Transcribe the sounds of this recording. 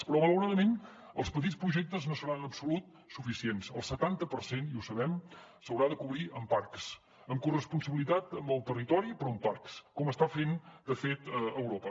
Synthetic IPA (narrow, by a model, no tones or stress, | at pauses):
pəɾɔβələwɾaðəmen | əlˠspət̪it͡spɾuʒɛk̚t̪əznosəɾanəpsulut̪̚ | sufisiensəlˠsət̪ant̪əpəɾseniusəβɛm | səwɾaðəkuβɾiʔəmpaɾks | əmkurəspunsəβilit̪at̪əmbəlˠt̪ərit̪ɔɾipɾɔəmpaɾkskɔməst̪afend̪əfet̪əəwɾopə